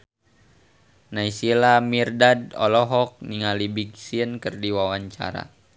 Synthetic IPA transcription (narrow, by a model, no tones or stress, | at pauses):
naisilamirdadɔ̰lɔɦɔk̚niŋalibiɡsiənkərdiwawaɲt͡ʃa̰ɾa̰